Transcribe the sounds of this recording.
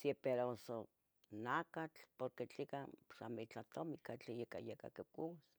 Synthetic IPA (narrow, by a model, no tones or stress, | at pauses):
siepeɾoso | nakat͡ɬpoɾket͡ɬikasa̰mit͡ɬaht̪omikat͡ɬjeka̰jeka̰kekuwas